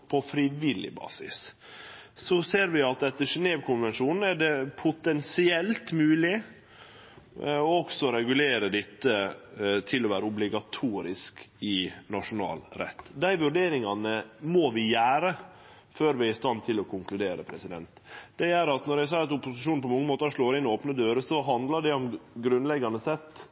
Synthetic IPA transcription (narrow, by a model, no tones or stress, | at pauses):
pʰɔfɾɪʋɪlɪ̰bɑ̰ːsɪ̰s | sɔseːɾʋɪɑt̪ɛt̪ːəʂɛneːʋkʰʊnʋɛnʂuːnn̩æɖɛpʰʊt̪ɛnsɪɛlt̪mʉːlɪ | ɔɔksɔɾɛɡʉleːɾəɖ̪ɪt̪ːət̪ʰɪlːɔʋæːɾəʊblɪɡɑt̪ʰuːɾɪskɪnɑʂʊnɑ̰ːlɾɛ̰t̪ːd̪æɪʋʉɾɖeːɾɪŋɑnəmɔʋɪjæːɾə | føːɾʋɪæɪst̪ɑnt̪ʰɪlɔkʰʊŋklʉd̪eːɾəpʰɾɛsɪd̪ɛ̰nt̪d̪ɛæɾɑt̪nɔɾjæɪsɑːɑt̪ʊpʊsɪʂuːn̩pʰɔmɑŋːəmoːt̪əʂɭoːɾɪnɔoːpnəd̪øːɾəsɔɦɑnd̪lɑɖɛɔmɡɾʉnlɛɡɑnəsɛt̪ː